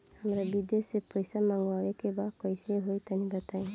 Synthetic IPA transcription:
hamɾabid̪esepɔjsamaŋɡwaɭekebakɔjseɦojt̪anibat̪aj̃

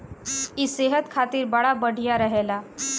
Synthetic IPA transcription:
iseɦət̪kʰat̪iːɾbəɭabəɽʱijaɾəɦela

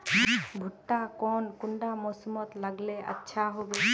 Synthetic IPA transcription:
bʱuʈːakɔnkuɳɖamɔsɔmɔt̪laɡleə̰tːʃʰaɦobu

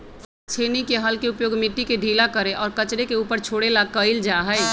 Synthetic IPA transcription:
t͡ʃʰeːnikeɦəlkeʊpjoːɡmiʈːikeɖʱiːlakəɾeʔɔːɾkət͡ʃɾekeuːpəɾt͡ʃʰoːɽelakəɪld͡ʒaɦəɪ

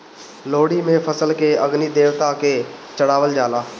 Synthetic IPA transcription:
loːɽimẽfəsəlkeəɡniːd̪eːɾt̪akeːt͡ʃəɽaːʋəld͡ʒaːlaː

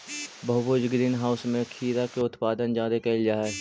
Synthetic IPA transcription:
bʱɐbod͡ʒɡɾiːnɦaːʊsmẽkʰiːɾakeʊt̪paːd̪ənd͡ʒãːd̪ekeld͡ʒaːɛ

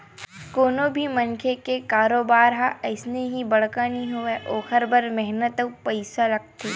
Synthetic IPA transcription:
koːnobʱimɐnkʰekekaːɾoːbaːɾɦaʔɐɪsneɦibɐɽ̤kanĩɦoeʔoːxəɾbɐɾmɛɦnət̪əwpɐɪsalɐk̚t̪ʰeː

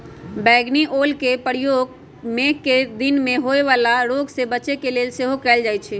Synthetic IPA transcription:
bɛːɡniʔoːlkepəɾijoːɡ̚ | mẽkːed̪ɪnmẽɦoeʋaːlaɾoːɡsebət͡ʃekeleːlseɦokɛːld͡ʒaːjt͡ʃʰɛː

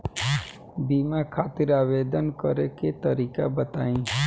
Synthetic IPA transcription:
biːmakʰaːt̪ɪɾaːʋeːd̪ənkəɾeket̪əɾiːkabət̪aːĩː

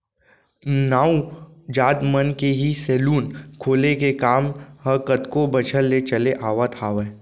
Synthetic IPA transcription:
naːud͡ʒaːd̪mənkeɦisɛːluːnkʰoːlekekaːmhəkət̪kobɐt͡ʃʰəlːet͡ʃəleʔaːʋat̪ʰaːʋə

